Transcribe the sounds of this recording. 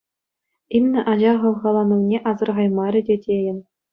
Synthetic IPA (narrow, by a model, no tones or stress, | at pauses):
imnʲɘ̆ʔɑʑɑʁɤ̆lʁɑlˠɑnɤ̆wnʲeʔɑzɤ̆rʁɑjmɑɾʲɘ̆dʲedʲejɘ̆n